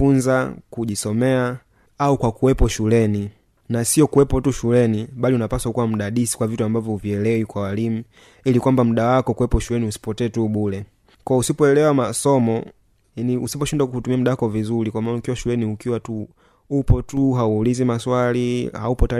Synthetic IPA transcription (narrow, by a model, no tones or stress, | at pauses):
unzakuʄisɔmɛa | aukwakuwɛpɔʃulɛni | nasiɔkuwɛpɔtuʃulɛniɓaliunapasaukuwam̩ɗaɗisi̥kwavituambavjɔviɛlɛikwawalimu | ilikwambam̩ɗawakɔkuwɛpɔʃulɛniusi̥pɔtɛːtuɓulɛ | kɔusipɔɛlɛwamasɔmɔ | aniusip̬ɔʃindakuutumiam̩ɗawakɔvizulikwamanukiwaʃulɛniukiwatu | upɔtuɦauːlizimaswalihaupɔta